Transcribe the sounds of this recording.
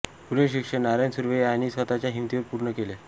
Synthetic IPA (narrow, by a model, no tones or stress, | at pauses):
puɾeɕikʂənaɾansuɾʋeañisʋət̪at͡ɕjaɦimt̪iʋəɾpuɾɳəkele